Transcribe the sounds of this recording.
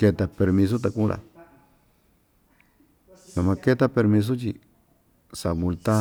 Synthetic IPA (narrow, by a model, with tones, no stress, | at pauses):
ke˧t̪a˧pe˧ɾmĩ˧s̬o˦t̪̬a˧kũ˦ɾʔa̰˨ | lã˨mã˧ke˦t̪a˦pe˧ɾmĩ˧s̬o˦t͡ʃi˧ | sa˨mũ˧lt̪a˦